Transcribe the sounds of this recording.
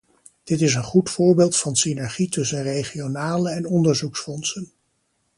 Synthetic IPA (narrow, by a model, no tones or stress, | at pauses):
d̥ɪtɪs̬ənχutfʊːɹbeːlˠtfɑnsinɛɹχitɵsənrejχionaːləɛnɔndəɹzuksfɔnsən